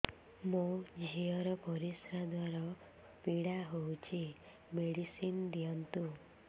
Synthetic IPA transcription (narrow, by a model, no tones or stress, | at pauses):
mũd͡ʒʱiɔɾɔpɔɾisɾad̪waɾɔ | piɽaɦowt͡ʃʰi | meɽisind̪ijɔnt̪u